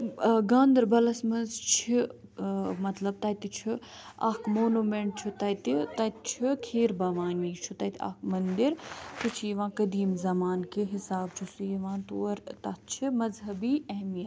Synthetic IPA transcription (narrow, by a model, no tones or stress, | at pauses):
ɡãːnd̪ɐɾbɐlɐsmɐnzt͡ʃʰi | mɐt̪lɐb̚t̪ɐt̪it͡ʃʰiɐkʰmoːnuːmeɳʈ̚t͡ʃʰit̪ɐt̪it̪ɐt̪t͡ʃʰikʰeːɾbɐʋaːniːt͡ʃʰut̪ɐt̪ʰa̰kmɐnd̪iɾt̪ɨt͡ʃʰiʋãːkɐd̪iːmzɐmaːnkeɦɪsaːb̚t͡ʃʰusiʋãːt̪oːɾt̪ɐt̪̚t͡ʃʰimɐzɦɐbiːɐɦmijɐt̪